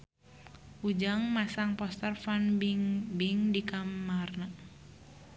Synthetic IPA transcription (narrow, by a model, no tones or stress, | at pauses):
ʔud͡ʒaŋmasaŋpɔst̪ərfanbiŋbiŋdikamarna